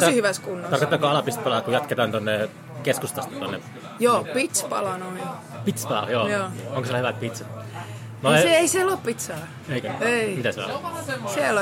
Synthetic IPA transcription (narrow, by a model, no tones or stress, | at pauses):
t̪ɑsihyʋæskunːot̪ɑrkot̪ːɑkoɑlɑpist̪̚pɑlɑɑkujɑt̪ket̪ɑːnt̪onːe | keskust̪ɑst̪ɑ̥t̪onːe | joːpit̪spɑ̰lɑnoin | pit̪spɑlɑ̰joːjoːoŋkoselhyʋæt̪̚pit̪sɑ | noseeisieloːppit̪sɑː | eikæeimit̪æseo̰sel